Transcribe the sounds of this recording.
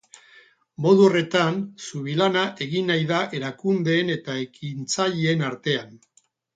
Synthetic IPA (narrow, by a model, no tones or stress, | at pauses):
mo̞ð̞uore̞t̪ansuβilanaʔe̞ɣinːajðaʔe̞ɾakund̪e̞ːne̞t̪ae̞kint͡saʎeenaɾt̪e̞an